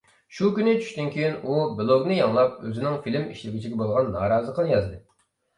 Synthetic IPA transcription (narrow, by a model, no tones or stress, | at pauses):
ʃukʲynɪt͡ʃʰy̥ʃt̪ynkʲʰejinubɨlˠoɡnɨjɑŋlˠɑp̚øzɪnɪŋfilɪmḭʃlɪɡʲit͡ʃʰiɡʲɛbolˠʁɑnːɑːɾɑːzəqʰənjɑzd̪ɨ